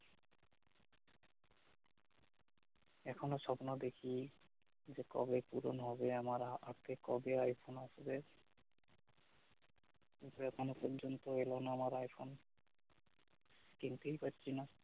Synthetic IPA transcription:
ɛkʰonoʃɔpnod̪ekʰi | d͡ʑekɔ̰bepuɾo̰nɦɔbeamaɾaat̪ʰekɔbeajpʰonaʃbe | it̪ɛkʰonopɔɾd͡ʑont̪oelonaamaɾajpʰon | kint̪ejpatːɕʰina

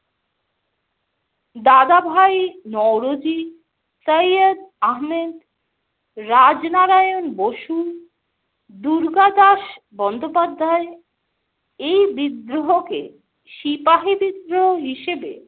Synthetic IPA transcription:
d̪ad̪abʱajnɔwɾod͡ʑi | səjəd̪aɦmed̪ | ɾad͡ʑnaɾajonboʃu | d̪uɾɡad̪aʃ | bɔnd̪ʱopad̪ʱːae | ejbid̪ɾoɦokḛ | ʃipaɦibid̪ɾoɦoɦiʃebḛ

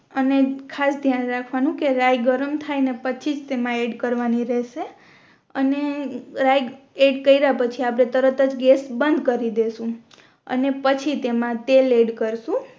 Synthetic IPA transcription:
ənekʰasd̪ʱjanɾakʰʋanũkeɾajɡəɾəmt̪ʰajnepət͡ʃʰid͡ʒt̪emãeɖkəɾʋaniɾɛʃe | əneɾaj | eɖkəiɾapət͡ʃʰiap̬ɾet̪əɾət̪əd͡ʒɡesbənd̪ʱkəɾid̪esũ | ə̰nepət͡ʃʰit̪emãt̪eleɖkəɾʃũ

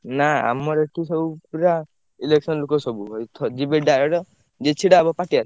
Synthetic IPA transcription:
naa̰mɔɾeʈʰisɔbupɾa | ileksɔnlukɔsɔbuɦojt̪ʰɔd͡ʒibeɖaɾɔɾɔ | d͡ʒet͡ʃʰiɽabɔpaʈiaɾɔ

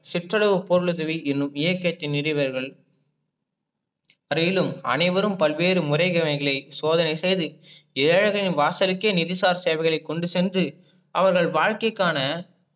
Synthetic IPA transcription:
sɪʈrɐɽɐʋɯpːɔɾɯɭɯðɐʋiɛnːɯmɪjɐkːɐt̪ːɪnːɪɾɪʋɐɾɣɐɭ | ɐɾɐjɪlɯmɐ̰nɐɪʋɐɾɯmpɐlʋeːɾɯmʊrɐɪɣɐmɐɪɣɐɭɐɪsoːðɐnɐɪsɛjðɯɛːɻɐɣɐɭɪnʋaːsɐɾɪkːeːnɪðɪsaːɾseːʋɐɪɣɐɭɐɪkːɔɳɖɯsɛndrɯ | ʔɐʋɐɾɣɐɭʋaːɻkɐɪkːaːnɐ

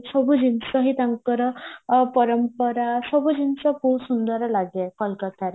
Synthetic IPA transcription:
səbʱud͡ʑinsəɦit̪aŋkəɾəpəɾəmpəɾasəbʱud͡ʑint͡səpusund̪əɾlaɡɛkəlkət̪aɾ

